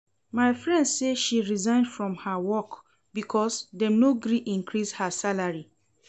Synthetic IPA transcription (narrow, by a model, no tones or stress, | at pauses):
maɪfɹɛ̃ndseʃiɹizãɪ̃ndfɹɔ̃mhawɔk | bikʰɔsdɛnoɡɾiʔĩŋkʰɹishasalaɹi